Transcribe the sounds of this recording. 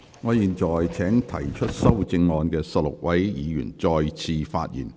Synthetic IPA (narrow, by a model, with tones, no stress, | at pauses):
ŋɔː˨˧jiː˨nt͡ʃɔː˨˩jt͡sʰɛː˨˥ŋt̪ʰɐ̰˨˩jt͡ʃʰɵ˥t̚sɐ˥wt͡sɪ˧ŋːɔː˧nkɛː˧sɐ˧t̚lʊ̰˨˩k̚wʔɐ˨˥jjiː˨˧jy̰ː˨˩nt͡ʃɔː˧jt͡sʰiː˧fa̰ː˧t̚jḭː˨˩n